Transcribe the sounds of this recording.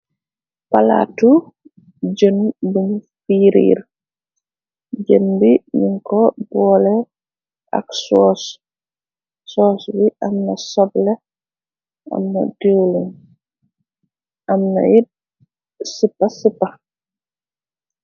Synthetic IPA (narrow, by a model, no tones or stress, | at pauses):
pala̰tu | d͡ʒənbunfiːɾḭːɾ | d͡ʒənbiɲiŋkɔbɔːlɛ | ʔa̰ksɔs | sɔːsbiʔamnasɔblɛ | ʔa̰mna̰dɛwlun | ʔamna̰ji | sipːasipːa